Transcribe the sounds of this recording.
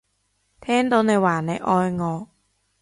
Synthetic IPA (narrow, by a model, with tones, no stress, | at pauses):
t̪ʰɛː˥˩˨nt̪oː˧˥na˧jwaː˨˩nːa˧jʔɔː˧jŋɔː˧k̚